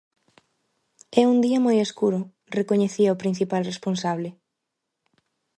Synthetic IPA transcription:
ɛund̪iɐmojeskuɾʊ | rekoɲeθiɐopɾin̟θipalresponsaβle

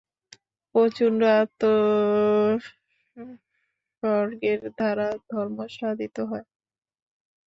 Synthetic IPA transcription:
pot͡ɕunɾoat̪o | ʃɔɾɡeɾd̪ʱaɾad̪ʱɔɾmoʃad̪it̪oɦɔe

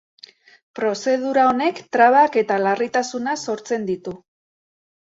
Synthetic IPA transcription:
pɾo̞se̞ð̞uɾao̞ne̞kt̪ɾaβ̞ake̞t̪alarit̪asunaso̞ɾt͡se̞nd̪it̪u

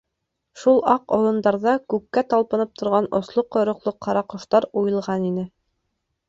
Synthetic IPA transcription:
ʃulˠɑqolˠɤ̆nd̪ɑɾðɑkʉkːæt̪ɑlˠpɤ̆nɤp̚t̪ʰŏɾʁɑnŏslˠoqːŏjɾŏqlˠoqʰːɑɾɑqŏʃt̪ɑɾujɤ̆lˠʁɑninɘ

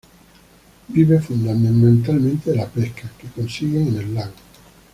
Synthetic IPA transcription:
biβefund̪amemẽnt̪almẽnt̪elapeskakekonsiɣeenelːaŋ

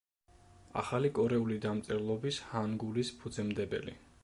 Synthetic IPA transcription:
a̰χalikʼɔɾɛulid̪amt̪sʼɛɾlˠɔbishanɡulispʰud̪zɛmd̪ɛbɛ̰lḭ

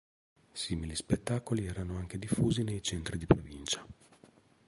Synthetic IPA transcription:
siːmilispet̪ːaːkoliɛːɾanoaŋk̟ed̪ifːuːzinejt͡ʃɛnt̪ɾid̪ipɾovint͡ʃḁ

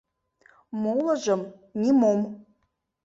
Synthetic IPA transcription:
mowləʒəm | nʲimom

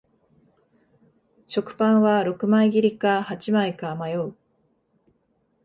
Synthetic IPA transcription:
ɕo̞kɯ̟̥pãɰ̃βaɾo̞kɯ̟maiɡʲiɾʲikahat͡ɕimaikamajo̞ɯ

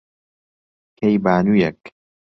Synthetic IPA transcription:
kʰejbaːnujɛk

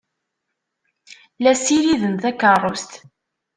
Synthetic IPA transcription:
læsiɾiðənθækərˤːost̪

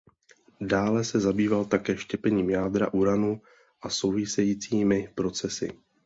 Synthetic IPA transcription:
daːlɛsɛzabiːvalt̪akɛːʃcɛpɛɲiːmjaːdɾa̰ʔuɾanu | ʔaso̞wvɪsɛjiːt͡siːmɪpɾo̞t͡sɛsɪ̰

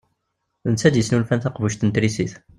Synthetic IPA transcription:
nt͡sːæd̪əsnulfænθɑqvuʃt̪ənt̪ɾisiθ

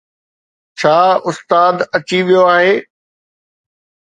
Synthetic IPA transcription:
t͡ɕʰaːʊst̪aːd̪ɐt͡ɕiʋijoaːɦeː

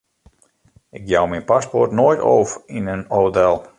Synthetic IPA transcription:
ɪk̚jawminpaspɔrtnojto̰ːfinənowtɛlˠ

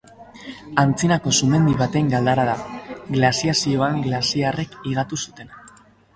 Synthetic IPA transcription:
ant͡sinako̞sume̞nd̪iβat̪e̞ŋɡald̪aɾaðaɡlasiasio̞aŋɡlasiare̞kiɣ̞at̪usut̪e̞n

